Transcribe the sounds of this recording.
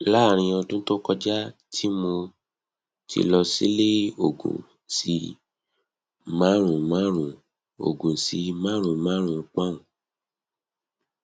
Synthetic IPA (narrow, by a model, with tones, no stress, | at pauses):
la˦˨ɾ̃ĩ˧ɔ˧tũ˦to˦kɔ˦d͡ʒa˦tʰi˦mo˧ | tʰḭ˧lɔ˧sḭ˦le˦o˨ɡṵ̃˨ | si˧ | mã˦ɾ̃ũ˨mã˦ɾ̃ũ˨ | o̰˨ɡũ˨si˧mã˦ɾ̃ũ˨mã˦ɾ̃ũ˨˧k͡pa˦ũ˨